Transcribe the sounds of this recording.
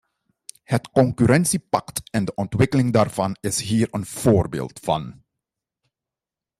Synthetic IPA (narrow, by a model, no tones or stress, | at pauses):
hətkɔŋkyɾɛnsipɑktɛndəʔɔntwɪkəlɪŋdaːrv̥ɑnɪsɦiːɹənv̥oːrbḛːlˠtfɑ̰n